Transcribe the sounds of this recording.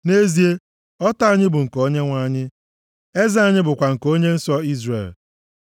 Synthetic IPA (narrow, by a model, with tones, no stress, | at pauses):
ne˦zi˦e˦ | ɔ˦ta˦ɲɪ˦bʊ˨ŋ̩˨ko˦ɲe˦ŋʷa˦ɲɪ˦ | e˦za˦a˦ɲɪ˦bʊ˨kʷa˨ŋ̩˨ko˦ɲe˦n̩˦sɔ˦i˦zrḛ˨l